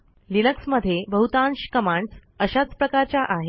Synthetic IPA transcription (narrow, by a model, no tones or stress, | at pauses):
linəksməd̪ʱːjebəɦut̪ãnɕkəmãɳɖsəɕat͡spɾəkaɾt͡ɕjaʔaɦe